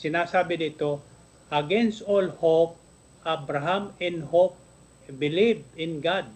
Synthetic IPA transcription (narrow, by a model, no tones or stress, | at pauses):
sɪnaːsaːbɪnɪt̪o | ʔɐɡɛnst̪olhop̚ | ʔabɾaɦamɛ̃nhop̚ | bɪlivɪ̃nɡad̪̚